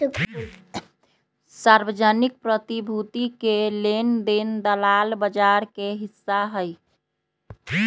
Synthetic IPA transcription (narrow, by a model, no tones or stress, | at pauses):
saɾʋəd͡ʒənik̚pɾət̪ibʱut̪ikelend̪end̪əlalbəd͡ʒaɾkeɦisːaɦəj